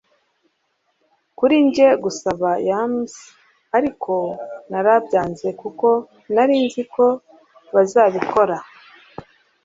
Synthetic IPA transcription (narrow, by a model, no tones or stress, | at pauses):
kuɾiɲɟe̞ɡusaβajaːmzi | aɾikʰo̞naɾabɟaːnze̞kuko̞ | naɾiːnzikʰo̞ | βazaːβiko̞ɾa